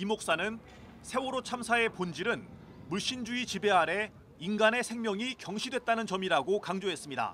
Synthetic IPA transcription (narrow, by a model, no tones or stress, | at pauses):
imok̚s͈anɯn | sʰe̞woɾot͡ɕʰamsʰae̞pond͡ʑiɾɯn | muɭɕ͈ind͡ʑuit͡ɕibe̞aɾe̞ | inɡane̞sʰe̞ŋmjʌŋikjʌŋɕʰidwe̞t̚t͈anɯnt͡ɕʌmiɾaɡokaŋd͡ʑoɦe̞s͈ɯmɲida̰